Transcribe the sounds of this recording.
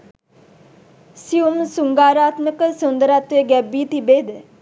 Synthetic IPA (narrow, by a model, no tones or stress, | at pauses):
siumsuŋɡaːɾaːt̪məkəsund̪əɾat̪ʋeɡɛbːiːt̪ibed̪